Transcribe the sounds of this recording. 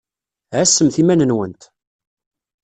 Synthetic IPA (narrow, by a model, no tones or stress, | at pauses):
ʕæsːəmθimænənwənt̪